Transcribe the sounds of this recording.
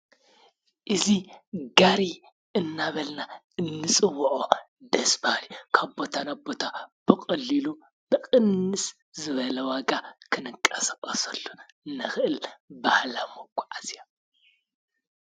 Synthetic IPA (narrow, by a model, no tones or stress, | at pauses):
ʔɨziɡaɾi | ɨnːaβɐlna | ɨnːɨsʼɨwːuʔʼo | d̪ɐsbahlikʰabo̞t̪ʰanabo̞t̪ʰab̥ɨkʼɐlːilu | bɨkʼɨnːɨs | zɨβɐlɐwaɡakʰɨnɨkʼːɐsɐɣʼɐsɐlːo | nɨxɨʔɨlbahlamoɡʼuʔazja